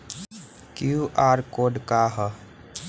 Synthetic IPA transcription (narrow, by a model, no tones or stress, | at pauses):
kjuʔaːɾkoːɖkaɦə